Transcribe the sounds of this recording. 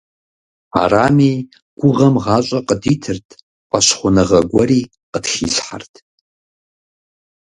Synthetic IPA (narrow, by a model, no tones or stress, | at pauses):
a̰ramij | ɡ̥ʷʊʁɐmʁaɕʷʼaqʼəditʰɨrtʰʼ | qʼaʃχʷʊnɨʁɐɡʷɔɾiː | qədxḭɬħa̰rtʼʰ